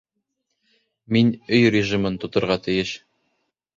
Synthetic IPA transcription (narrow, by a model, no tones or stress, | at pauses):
minɵjrʲɪʒimɤnt̪ŏt̪ŏɾʁɑt̪ɘ̆jɘʃ